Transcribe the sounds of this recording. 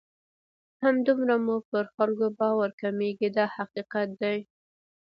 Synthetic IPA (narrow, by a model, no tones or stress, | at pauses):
hamd̪umɾamupəɾxalkobɑwaɾkameɡid̪ɑhaqiqat̪̚d̪aj